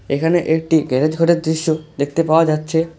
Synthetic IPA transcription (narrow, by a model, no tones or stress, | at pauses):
ekʰaneʔek̚ʈiɡɛɾed͡ʑɡʱoʈeɾd̪ɾiʃːod̪ek̚ʰt̪epaoad͡ʑatːɕʰe